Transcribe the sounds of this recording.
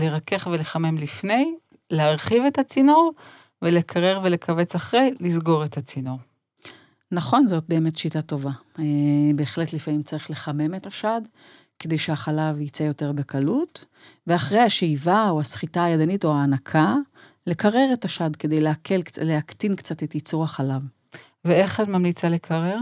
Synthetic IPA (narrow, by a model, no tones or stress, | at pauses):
leʁake̞χveleχame̞mlifne̞j | leaʁχive̞tat͡sinoʁ | vele̞kʰaʁeʁvele̞kʰave̞t͡saχʁejlizɡo̞ʁe̞tat͡sinoʁ | naχo̞nzo̞t̚be̞ːme̞tʃitato̞va | be̞ːχle̞tlifamimt͡saʁiχle̞χame̞me̞taʃad | ke̞d̪ejʃeaχalavit͡sejo̞teʁbe̞kalut | ve̞aχʁejhaʃejvaoasχitaajadanitoaːnakʰa | le̞kaʁe̞ʁetaʃadke̞dejleakʰe̞lkleaktinkt͡satetit͡suʁhaχalav | veeχadmamlit͡salekʰaʁeʁ